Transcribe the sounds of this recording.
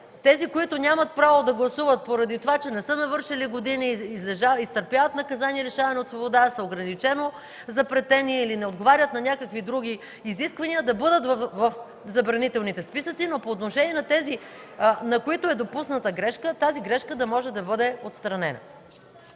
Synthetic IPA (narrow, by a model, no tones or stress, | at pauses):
t̪ɛzikoit̪ʊnʲamɐt̪̚pɾavod̪ɐɡlˠɐsuvət̪̚poɾɐd̪it̪ovat͡ʃɛnɛsɤnɐvɤɾʃɛliɡod̪iniizlɛʒaist̪əɾpjavɐt̪nɐkɐzaniɛɾɛʃavɐnɛot̪svobod̪asɐoɡɾɐnit͡ʃɛno | zɐpɾɛt̪ɛniːlinɛod̪ɡovaɾʲət̪nɐnʲakəkvid̪ɾuɡ̟ʲiː | ziskvɐniəd̪ɐbɤd̪ət̪vvɐf | zɐbɾɐnit̪ɛlˠnit̪ɛspisət̪sinopoːt̪noʃɛniɛnɐt̪ɛzi | nɐkoit̪oɛd̪opusnət̪əɡɾɛʃkət̪aziɡɾɛʃkəd̪ɐmɔʒɛd̪ɐbɤd̪ɛot̪st̪ɾɐnɛnɐ̰